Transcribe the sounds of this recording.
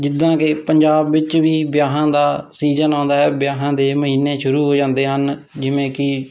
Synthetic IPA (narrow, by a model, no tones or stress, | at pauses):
d͡ʒɪd̪ãːkepəɲd͡ʒaːbʋɪt͡ʃʋiːbjaːɦãːd̪aːsiːd͡ʒənãːnd̪aːɛːbjaːɦãːd̪eːməɦiːnːeːʃʊɾuːɦoːd͡ʒãːnd̪eːɦən | d͡ʒɪʋẽːkɪ